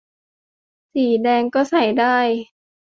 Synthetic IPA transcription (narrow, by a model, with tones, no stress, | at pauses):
siː˨˩˦dɛː˧ŋkɔː˥˩sa˨˩˦jdaː˥˩j